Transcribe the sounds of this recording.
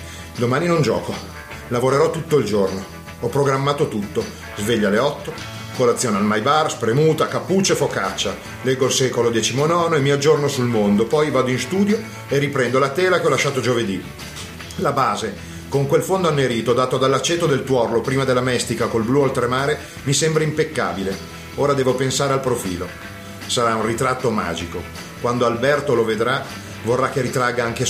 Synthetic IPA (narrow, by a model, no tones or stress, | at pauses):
d̪omaːninond͡ʒɔ̰ːko | lavoɾeɾɔt̪ːut̪ːoild͡ʒorno | ɔpːɾoɡɾamːaːt̪ot̪ut̪ːo | zveʎːaleɔt̪ːo | kolat̪sːjoːnealmajbaːrspɾemuːt̪akapːut͡ʃːefokat͡ʃːa | lɛɡːolsɛːkolod̪ɛt͡ʃimonɔːnoemːiad͡ʒornosulmond̪opɔjvaːd̪oinst̪uːd̪jo | erːipɾɛnd̪olat̪ɛːlakeɔlaʃːaːt̪od͡ʒoved̪i | labaːze | koŋkwelfond̪oanːeɾiːt̪od̪aːt̪oad̪alːat͡ʃːeːt̪od̪elt̪wɔrlopɾiːmad̪elːamɛst̪ikakolblualt̪ɾemaːɾe | misembɾaimpekːa̰ːbile | oːɾad̪ɛːvopensaːɾealpɾofḭːlo | saɾaunrit̪ɾat̪ːoma̰ːd͡ʒiko | kwand̪oalbɛrt̪oloved̪ɾa | vorːakːeɾit̪ɾaɡaaŋke